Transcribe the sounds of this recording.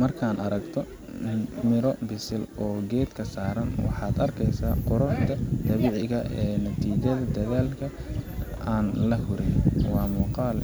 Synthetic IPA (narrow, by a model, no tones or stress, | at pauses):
mɐrkʰaːnɐɾɐɡt̪ʰɔ | mɪɾɔbɪsɪlɔːɡɛːd̪kʰɐsaːɾɐnwɑ̰ħɑːd̪ɐrkʰɛjsaːqʊɾʊħt̪ʰɐd̪̥ɐβɪʕɪɣɐʔɛːnɐt̪ʰiːt͡ʃɐðɐd̪ɐðaːlkʰɐ | aːnlɐhʊɾɪjwɑːmuːqɑːl